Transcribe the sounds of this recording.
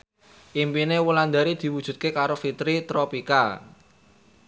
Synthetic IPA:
ʔimpinewuland̪a̤ɾid̪̥i̤wud̥ʒ̥ṳt̪̚kekaɾofit̪ɾit̪ɾopika

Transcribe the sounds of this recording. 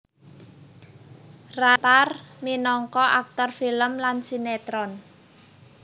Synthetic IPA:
rat̪arminɔŋkɔʔak̚t̪ɔrfiləmlansinet̪ɾɔn

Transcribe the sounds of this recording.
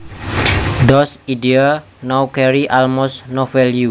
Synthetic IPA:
dɔsidia | nawkɛɾiʔalmɔsnɔfɛlju

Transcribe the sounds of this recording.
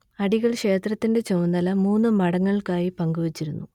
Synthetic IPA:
ɐɽiɣɐɭʂe̞ːt̪rɐt̪ːinde̞t͡ɕownd̪ɐlɐmuːnːɨmɐɽɐŋːɐɭkaːjipɐŋɡuʋɐt͡ɕːiɾunːu

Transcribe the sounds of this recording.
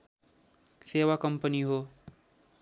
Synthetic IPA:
sewakʌmpʌniɦo

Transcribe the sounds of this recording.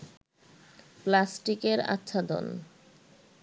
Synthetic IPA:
plasʈikeɾa̰tːɕʰad̪o̰n

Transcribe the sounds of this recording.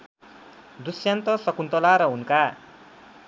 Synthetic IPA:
d̪usjant̪ʌsʌkunt̪ʌlaɾʌɦunka

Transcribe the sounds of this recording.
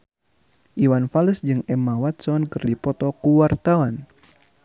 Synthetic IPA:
ʔiwanfaləsd͡ʒɨŋɛmawat̪̚sɔnkɨrdipɔt̪ɔkuwart̪awan

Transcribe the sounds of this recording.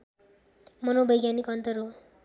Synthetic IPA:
mʌnobʌjɡjanikʌnt̪ʌɾɦo

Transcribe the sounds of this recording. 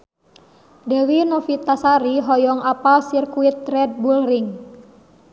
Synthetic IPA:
dɛwinɔfit̪asaɾiɦɔjɔŋapalsirkuit̪̚rɛd̚bulriŋ

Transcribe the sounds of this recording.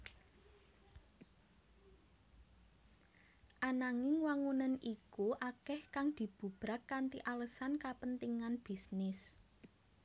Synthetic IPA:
ʔanaŋɪŋwaŋunənʔikuʔakɛhkaŋd̪̥i̤b̥ṳb̥ɾakːant̪iʔaləsankapənt̪iŋanb̥i̤snɪs

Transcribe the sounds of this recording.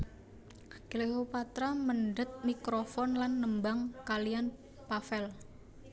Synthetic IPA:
kəleɦopat̪ɾamənɖət̪̚mikɾofɔnlanːəmbaŋkalijan | pafɛl

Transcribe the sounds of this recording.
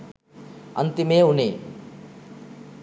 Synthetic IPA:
ɐ̰nt̪imeːuneː

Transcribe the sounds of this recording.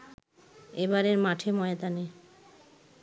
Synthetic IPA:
ebaɾeɾmaʈʰemɔeet̪ane

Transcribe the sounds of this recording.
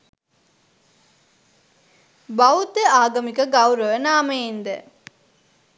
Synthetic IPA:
baʋut̪əaːɡɐmikəɡawɾəʋənaːməjend̪ə

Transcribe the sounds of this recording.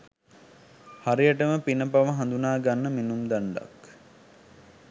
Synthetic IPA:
haɾijəʈəməpinəpaʋəɦãnd̪unaːɡanːəminumd̪aɳɖa̰k

